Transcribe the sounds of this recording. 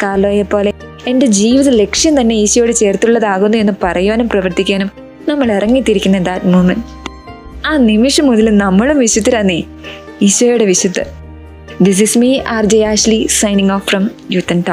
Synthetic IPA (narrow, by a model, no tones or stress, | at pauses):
kaːloːjepːo̞ːle̞ | ende̞d͡ʑiːʋiðɐle̞kʂjɐmt̪ɐnːe̞iɕɐjɽet͡ɕe̞ːrt̪ːuɭːɐðaːɣunːue̞nːupɐrɐjuʋɐnumprɐʋɐrt̪ikʲːaːnum | nɐmːɐɭirɐŋːit̪ːiɾikʲːunːɐd̪aːtmuːmɐn | aːnimiʂɐmːuðɐlnɐmːɐɭumʋiɕɐt̪ːiɾɐnːi | iɕɐjuɽe̞ʋiɕwɐt̪ːɨ | d̪is̬ismiaːrd͡ʑɐjaːɕlisɐjniŋoːfrɐm | jut̪ːɐnta